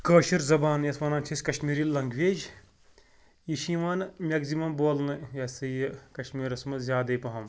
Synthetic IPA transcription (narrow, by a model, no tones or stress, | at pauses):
kəːʃiɾzɐbaːnjɐsʋɐːnaːnt͡ʃʰisʲkɐʃmiːɾilːɐŋɡʋeːd͡ʒ | jiʃiʋaːnmʲɐɡzimɐmboːlnɨjɐsɨjkɐʃmiːɾɐsmɐzʲaːd̪ɐjpɐɦɐm